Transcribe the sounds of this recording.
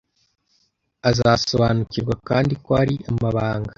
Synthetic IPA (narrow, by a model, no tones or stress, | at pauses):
azaso̞βaːnuciɾɡwakaːndikoaɾiamaβaːŋɡa